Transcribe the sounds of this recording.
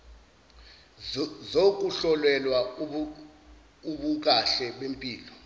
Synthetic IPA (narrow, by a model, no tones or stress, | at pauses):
zok̬uɬɔlwɛlwa | uɓuk̬aɬɛɓempʼiːlɔ